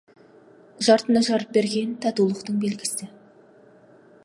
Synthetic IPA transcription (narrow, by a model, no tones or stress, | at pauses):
ʒɑɾt̪ənɑʒɑɾəp̚be̞ɾɡʲe̞nt̪ʰɑt̪ulˠəqt̪əɴbe̞lɡʲɪsɪɪ